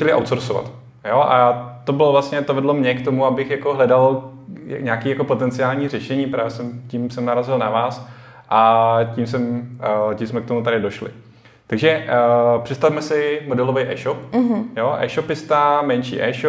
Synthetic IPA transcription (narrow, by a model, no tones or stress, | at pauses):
ɛlɪʔa̰wt̪soɾsova̰t̪ | joʔa̰t̪o̞bɪlovlast̪ɲɛt̪ovɛdlomɲɛkt̪omuabɪxjakoɦlɛdal̰ | ɲaːkiːjakopo̞t̪ɛnt͡sɪaːlɲiːr̝ɛʃɛɲiːpɾaːvjɛsɛmciːmsɛmnaɾazɪlnavaːs | ʔacims̬ɛmcismɛk̚t̪omut̪aɾɪdo̞ʃlɪ̰ | t̪aɡʒɛpr̝̥ɛt̪st̪afmɛsɪmodɛlovɛjʔɛ̰ːʃopɦjoʔɛ̰ːʃopɪst̪amɛnt͡ʃḭːʔɛːʃo